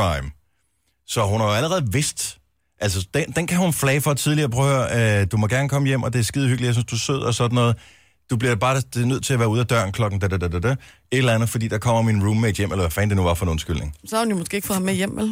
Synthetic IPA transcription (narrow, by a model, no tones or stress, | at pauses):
ɑɪm | sɒ̽ɦunhɑjoæləʁɛːð̩ˠʋe̝sd̥ | ʔælsəd̥end̥enkʰæhhunflɛːɪfɒ̽t͡sʰiðˠliɐpʰʁœʊøɐd̥umɒ̽ɡ̥æɐnəkʰɒ̽məjem̰ɒ̽d̥e̝æɐsɡ̥ið̞ˠhyɡ̥lijɐs̬ynsd̥usøð̞̰ˠɒsɒ̽d̥n̩ːɔ̽ːð̩ˠ | d̥ub̥liɐb̥ɑ̥̈ːd̥nøð̰ˠt͡sʰe̝æɐʋæːɐuðˠæd̥ɶɐ̰n̩kʰlɒ̽ɡ̥n̩d̥æd̥d̥ədədæ | e̝d̥lænð̞̩ˠfɒ̽d̥ḭːd̥ɑ̈kʰɒ̽m̰ɐminʁuːmːed̥jem̰elɐʋæfɛːnd̥e̝nuʋɑ̈fɒ̽noːn̩sɡ̥yl̰ne̝ŋsɒhähunjomosɡ̥e̝ːeɡ̥fɒmejem̰ʋel